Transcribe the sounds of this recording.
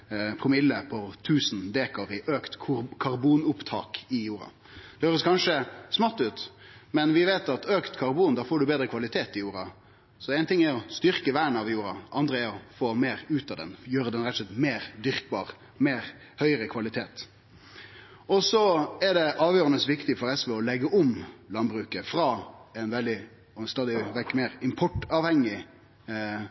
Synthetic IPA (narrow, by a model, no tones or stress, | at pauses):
pʰɾʊmɪlːəpʰɔt̪ʰʉːsən̩d̪eːkəʋɪʔøːkt̪kʰkʰɑɾbuːnʊpt̪ʰɑ̰ːkɪjuːɾɑ̰ | d̪̥ɛhøːɾəskʰɑnʂəsmɑt̪ːʉːt̪mɛnʋɪʋeːt̪ɑt̪øːkt̪kʰɑʁbuːnd̪ɑːfoːɖʉbeːd̪ɾəkʰʋɑlɪt̪ʰeːt̪ɪjuːɾɑ̰ | sɔɛɪnt̪ɪŋːɛɾɔst̪ʏʁkəʋæːɳəɑʋjuːɾɑ̰ɑnd̪ɾəɛɾɔfoːmeːɾʉːt̪ɑd̪ɛ̰njøːɾəd̪ɛnɾɛt̪ːslɛt̪meːɾd̪ʏɾkbɑ̰ːʁ | meːɾ | hœʏəɾəkʰʋɑlɪt̪ʰeːt̪ | ɔsɔɛɖɛʔɑːʋjøːɾɑnəsʋɪkt̪ɪfɔɾɛsʋɛɔlɛɡəʔʊmlɑnbɾʉːkəfɾɑːɛnʋɛld̪ɪ | st̪ɑːd̪ɪʋɛkmeːɾɪmpʰɔʈɑːʋhɛŋːɪ